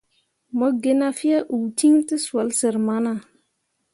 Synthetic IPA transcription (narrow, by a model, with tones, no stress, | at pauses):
mɔ˦ɡe˦na˦fi˦a˦ʔu˨ti˦ŋti˦swa˨lsə˨ɾma˦na˨